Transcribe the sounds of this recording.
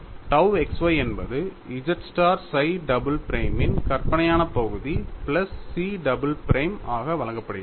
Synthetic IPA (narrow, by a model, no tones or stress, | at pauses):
ʈɐʊɛksʋɐɪɛnbɐðɯ | ɪd͡ʒɐʈsʈaːɾsɐɪɖɐbɯlpɪɾɐɪmɪnkɐɾpɐnɐjaːnɐpɐɣɯðiplɐsːiːɖɐbɯlpɪɾʔeɪmaːɣɐʋɐɭɐŋɡɐpːɐɽɯj